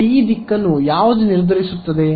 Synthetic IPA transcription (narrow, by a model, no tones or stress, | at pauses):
iːd̪ikːɐnːujaːʋɐd̪uniɾd̪ʱɐɾisut̪ːɐd̪e̞